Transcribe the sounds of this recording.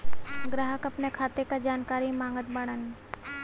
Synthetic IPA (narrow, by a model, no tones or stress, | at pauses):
ɡɾəɦəkɐpnekʰaːt̪ekad͡ʒaːnkaːɾimãːŋɡət̪bɐɽ̃ən